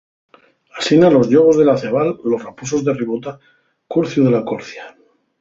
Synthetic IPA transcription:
asinalo̞zʎoβ̞o̞zðe̞laθeβalːo̞srapus̬o̞zðeriβot̪a | kuɾθjuðelakoɾθja

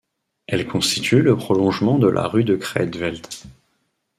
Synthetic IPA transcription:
ɛlkɔ̃st̪it̪ʰyləpχɔlɔ̃ʒmɑ̃d̪əlʔa̰ʁyd̪əkχɛ̰d̪vɛlt̪

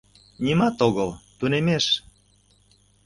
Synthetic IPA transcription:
nʲimɑt̪oɣəlt̪unemeʃ

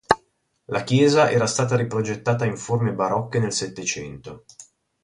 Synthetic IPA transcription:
lak̟jɛːzaʔɛːɾast̪aːt̪aɾipɾod͡ʒet̪ːaːt̪aiɱformebaɾɔkːenelset̪ːet͡ʃɛnt̪o

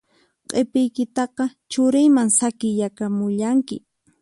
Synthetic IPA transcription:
qʼepɪjkɪt̪ɑqɑt͡ʃʊɾɪjmaŋsakɪjakamʊʎaŋkɪ̰

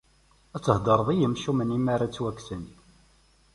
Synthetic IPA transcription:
æt͡sːəhd̪əɾˤðˤijəmʃumənimaɾat͡sːwæksən

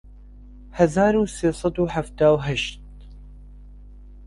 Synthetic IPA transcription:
hɐzaːɾuːseːsˤɑd̪uːħaft̪aːwɦaʃt̪̚

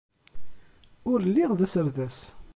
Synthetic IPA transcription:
ʊɾlːiʁðæsəɾðæs

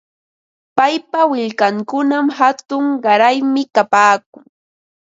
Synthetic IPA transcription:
pajpawɪʎkaŋkʊnamhat̪ʊŋɢɑɾajmɪkapaːk̚ʊŋ

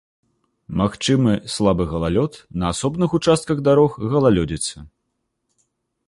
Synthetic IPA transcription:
maxt͡ʂɨmɨslˠabɨɣɐlˠalʲɔt̪nɐːsɔbnɨxut͡ʂast̪̚kɐɣd̪aɾɔxɣɐlˠalʲɔd͡zʲit̪sɐ

